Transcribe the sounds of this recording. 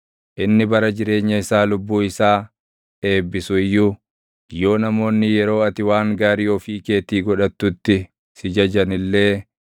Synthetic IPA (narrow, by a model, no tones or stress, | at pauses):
ʔɪnːɪbɐɾɐd͡ʒɪɾe̞ːɲːɐɪsaːlʊbːuːɪsaː | ᶑe̞ːbːɪsʊɪjːuː | jo̞ːnɐmo̞ːnːɪjɛɾo̞ːɐt̪ɪwaːŋɡaːɾɪjoːfiːke̞ːt̪iːɡɔᶑɐt̪ːʊt̪ːɪ | sɪd͡ʒɐd͡ʒɐnɪlːe̞ː